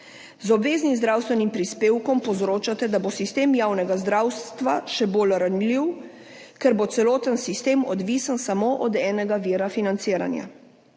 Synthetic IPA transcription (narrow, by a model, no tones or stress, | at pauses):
zɔbʋeːznimzd̪ɾawst̪ʋɛnimpɾispeːwkɔmpɔzɾoːt͡ʃat̪ɛd̪abosist̪eːmjaːwnɛɡazd̪ɾaːwst̪ʋaʃɛboːlɾanliw | kɛɾbot̪sɛloːt̪ənsist̪eːmɔd̪ʋisənsamoʔɔd̪ɛːnɛɡaʋiːɾafinant̪siːɾa̰nja̰